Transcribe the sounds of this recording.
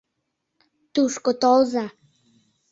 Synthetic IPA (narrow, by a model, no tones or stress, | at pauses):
t̪uʃkot̪olˠzɑ